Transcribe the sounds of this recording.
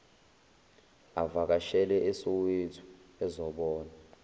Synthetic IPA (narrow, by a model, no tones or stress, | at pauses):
avak̬aʃɛlɛʔesuwetʰu̥ | ɛzɔɓɔːna